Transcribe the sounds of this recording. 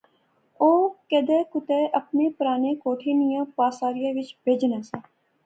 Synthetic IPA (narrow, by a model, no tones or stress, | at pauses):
oːked̪eːkʊt̪eːʔəpneːpəɾaːnekoːʈʰeːnijə̃ːpaːsaːɾɪjaʋɪt͡ʃbʱeːd͡ʒnɛːsaː